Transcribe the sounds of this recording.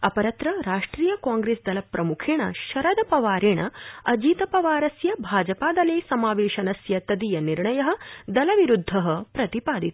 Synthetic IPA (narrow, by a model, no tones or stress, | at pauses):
ɐpɐɾɐt̪ɾɐɾaːʂʈɾiːjɐkaːŋɡɾeːsd̪ɐlɐpɾɐmukʰeːɳɐ̰ʃɐɾɐd̪ɐpɐʋaːɾeːɳɐɐd͡ʒiːt̪ɐpɐʋaːɾɐsjɐbʱaːd͡ʒɐpaːd̪ɐleːsɐmaːʋeːʃɐnɐsjɐt̪ɐd̪ijɐniɾɳɐjɐɦɐ̆d̪ɐlɐʋiɾud̪ʱːɐɦɐpɾɐt̪ipaːd̪it̪